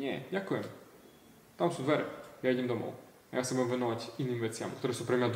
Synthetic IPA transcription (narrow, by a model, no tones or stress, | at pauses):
ɲɛjakujɛm | t̪amsɔ̃wd̪vɛɾɛjaid͡ʑɛmd̪ɔmɔ̰w | ajasɛbuɛmvɛnɔvat͡ɕinːɨmʲivɛt̪sʲja̰mkt̪uɾɛsupɾɛmʲad̪